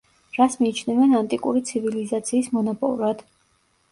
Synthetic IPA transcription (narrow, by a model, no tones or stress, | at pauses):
ɾasmiːt͡ʃʰnɛvɛnant̪ʼikʼuɾit̪sʰivilizat̪sʰiːsmɔnɔpʼɔ̰lˠɾad̪̥